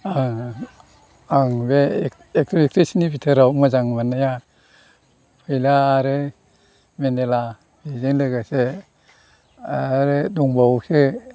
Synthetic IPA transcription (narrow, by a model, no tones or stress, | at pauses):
a | aŋbe | ek̚tɔek̚tɾesinibitʰaɾawmazaŋmanaja | pʰɯjlaːɾɯ | mendela | bizenlɯɡase | aɾɯduŋbawse